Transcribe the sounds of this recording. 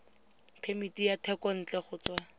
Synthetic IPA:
pʰemitijatʰɛkɔn̩t͡ɬɛχʊt͡swa

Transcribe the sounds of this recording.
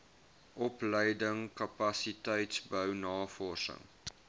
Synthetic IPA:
ʔɔpləjdəŋkɐpɐsitəjtsbəwnɑːfɔrsə̰ŋ

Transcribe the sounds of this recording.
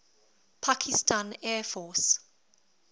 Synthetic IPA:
pʰakʰistʰãnɛfɔs

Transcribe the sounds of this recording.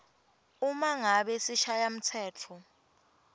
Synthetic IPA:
umaŋaɓɛsiʃajam̩tʰɛːt͡fʰɔ

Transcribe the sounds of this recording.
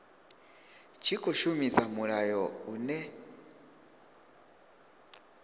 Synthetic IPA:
t͡ʃikɔʃumizamuɾajɔunɛ

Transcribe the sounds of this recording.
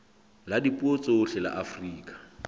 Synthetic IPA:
ladipʼuot͡sʼeʊɬɛla̰ʔafriːkʼḁ

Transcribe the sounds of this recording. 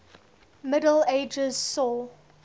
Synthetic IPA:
mɪdəleɪd͡ʒəz̥sɔl

